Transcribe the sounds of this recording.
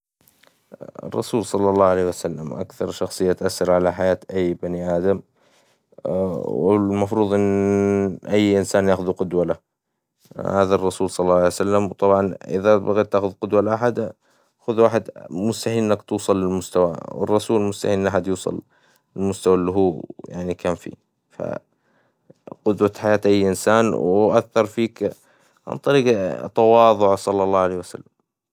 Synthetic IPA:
ɪ̰rˤːɑ̰suːlsˤɑlːɑlˤːɑːʕaleːhwasalːamʔa̰kθɑɾˤʃɑxsˤɨjːat̪ʔasːɑɾˤʕalaħajaːt̪ʔajːbaniʔaːd̪am | wɪlmɑfɾuːðˤʔɪnː | ʔajːʔɪnsaːnjaːxʊðuqʊd̪wala | haːðarˤːɑsuːlsˤɑlːɑːɑʕaejwsalːamwt̪ˤɑbʕɑnʔɪ̰ðabaɣiːt̪ːaːxʊðqʊd̪walʔaħad̪ | xʊðwaːħɪd̪mʊst̪aħiːnʔɪnːakt̪uːsˤɑlːɪlmʊst̪awawɪ̰rˤːɑsuːlɪlmʊst̪aħiːnʔɪnːʔaħad̪juːsˤɑ̰l | ɪlmʊst̪awalːiɦuːja̰ʕnikʰaːnfḭ | fa̰ | qʊd̪wat̪ħajaːt̪ʔajːʔɪnsaːnwʔaθːɑɾˤfiːk | ʕɑ̰nt̪ˤɑɾiːɡt̪ɑwɑːðˤʊʕsˤɑlːɑlˤːɑːʕalejwasa̰lːam

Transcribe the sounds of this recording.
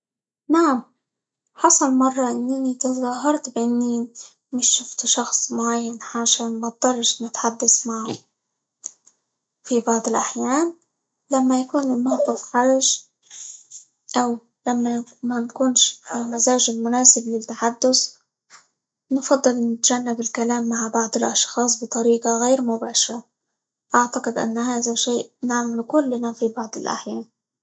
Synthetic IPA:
naʕam | ħɑsˤɑlmɑrˤːɑʔɪnːɪnit̪ɑzˤɑːɦɑɾˤt̪bʔɪnːi | mɪʃːʊft̪ʃɑxsˤmʊʕajːanʕaʃaːnmat̪̚d̪ɑrˤːʃnɪt̪ħad̪ːasmaʕhʊ | fibɑʕd̪ˤɪlʔaħjaːn | lamːajakuːnɪlmahb̪ˤʊfxaɾˤʒ | ʔaw | lamːamankʊːnʃfɪlmazaːʒɪlmʊnaːsɪblɪt̪ːaħad̪ːʊs | nfɑd̪ˤːɨlnɪt̪ʒanːabɪlkalaːmːaʕbɑʕd̪ˤɨlʔɑʃxɑːsˤbɨt̪ˤɑɾiːqɑɣejɾmʊbaːʃɑɾˤɑ | ʔaʕt̪aqɪd̪ʔa̰nːhaːðaʃeːʔnaʕmɪlkʊlːnafibɑʕd̪ˤɪlʔa̰ħjaːn

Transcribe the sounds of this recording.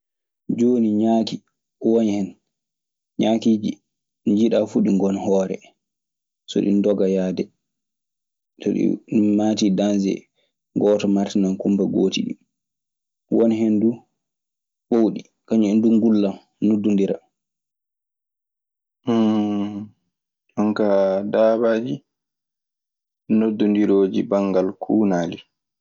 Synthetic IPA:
d͡ʒoːniɲaki | wɔnhɛn | ɲakid͡ʒi | ɲd͡ʒiɗafuɗiŋɡɔnhɔːɾɛ̰ | sɔ̰ɗḭndɔɡajaːdɛ | tɔ̰ɗḭmaːtidanzɛ̰ | ɡɔːtɔmaɾtinankumbɛɡoːtiɗḭ | wonhendu | ɓowɗi | kaɲɛndunɡulːam | nudːundiɾa̰ | ɔŋkadaːbaːd͡ʒi | nodːundiɾoːd͡ʒibaŋɡalkʰuːnaːli

